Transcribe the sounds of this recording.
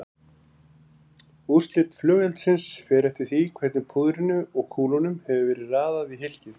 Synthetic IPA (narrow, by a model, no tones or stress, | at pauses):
ur̥st̪lɪt̪flœːɣjɛlt̪sɪnsfɛːɾɛft̪ɪɾ̥θikʰvɛt̪nʏpʰuðɾɪnʏɔɣkʰuːlɔnʏmhɛvʏvɛːɾɪðraːðaðviɦɪl̥cɪθ